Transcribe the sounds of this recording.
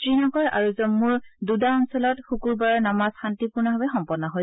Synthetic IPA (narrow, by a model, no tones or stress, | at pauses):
tɹinɔɡɔɹa̰ɹuzɔmːuɹdudaɔnsɔlɔtxukuɹbaɹɔɹnamasxantipʊɹnaɦabɛxɔmpɔdnːɔɦo